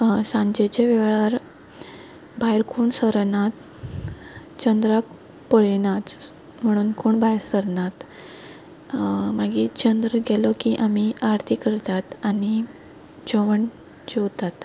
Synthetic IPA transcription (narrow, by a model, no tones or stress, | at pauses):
sãɲd͡ʑet͡ɕeʋɛʋɭaɾ | bʱajɾkʰuːɳsəɾnat̪̚ | t͡ɕənd̪ɾak̚ | pəɭenat̪ | m̤əɽ̃uːnkʰoːɳbʱajɾsəɾnat̪ | maɡiːt͡ɕənd̪ɾəɡɛlɔkiʔamiʔaɾt̪ʰikəɾt̪at̪ani | d͡ʑɔʋəɳ | d͡ʑewt̪at̪